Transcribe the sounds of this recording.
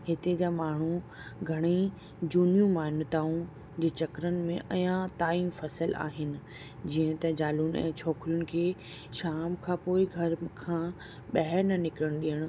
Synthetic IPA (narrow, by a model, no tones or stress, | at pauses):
ɦɪt̪ed͡ʑaːmaːɳ̤u | ɡʱɐɽ̃i | d͡ʑuːnijũmaːnʊt̪aːũ | d͡ʑeːt͡ɕɐkɾənɪ̆mẽʔɐjãt̪aːiːmfɐsəla̰ːɦɪnɪ̆ | d͡ʑiːə̃t̪ɐd͡ʑaːlʊnɛ̰̃ːt͡ɕʰɔːkɾijʊnɪ̆kʰeːʃaːmkʰãːpoːɪɡʱɐɾkʰãː | ɓɐɦɛɾnɐnɪkɪɾəɽ̃ɗiːəɽ̃ʊ̆